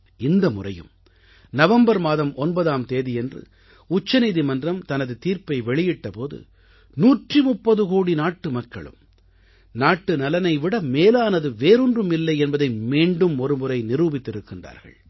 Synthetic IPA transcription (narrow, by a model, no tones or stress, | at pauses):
ɪnd̪ɐmʊrɐ̰jɯ̰m | nɐʋɐmbɐɾmaːðɐmʔɔnbɐðaːmt̪eːðɪjɛndrɯ̰ | ʊt͡ʃːɐniːðimɐndrɐmt̪ɐnɐðɯt̪iːɾpɐɪʋɛɭɪjɪʈːɐpoːðɯ̰ | nuːʈrimʊpːɐðɯkoːɽinaːʈːɯmɐkːɐ̰ɭɯ̰m | naːʈːɯnɐlɐnɐɪʋɪɽɐmeːlaːnɐðɯʋeːɾɯndrɯmɪlːɐɪɛnbɐðɐɪmiːɳɖɯmɔɾɯmʊɾɐɪnɪɾuːbɪt̪ːɪɾɯkːɪndra̰ːɾɣɐ̰ɭ